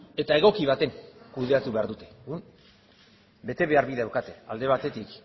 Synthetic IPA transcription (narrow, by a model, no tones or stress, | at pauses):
e̞t̪ae̞ɣo̞kiβ̞at̪e̞ŋkuðe̞at̪uβe̞aɾðut̪e̞ɣun | be̞t̪e̞βe̞aɾβiðeawkat̪e̞ald̪e̞β̞at̪e̞t̪ik